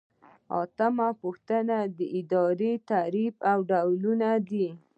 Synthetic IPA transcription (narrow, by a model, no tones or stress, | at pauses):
ɑ̰t̪amapuxt̪ənad̪əʔɪd̪ɑɾet̪aɾifawɖawlunad̪i